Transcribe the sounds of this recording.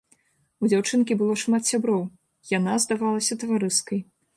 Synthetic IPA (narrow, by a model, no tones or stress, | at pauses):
ud͡zʲawt͡ʂɨnkʲibɨlˠɔʂmat̪sʲabɾɔw | janazd̪avalˠɐsʲɐt̪ɐvaɾɨskɐj